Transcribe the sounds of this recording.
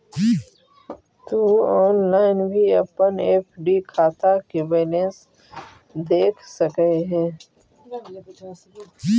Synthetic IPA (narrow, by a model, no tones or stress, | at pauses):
t̪oɔːnlaːɪnbʱiɐpəneːpʰɖikʰaːt̪akebeːlẽːs | d̪eːkʰsəkeɦɛ̃ː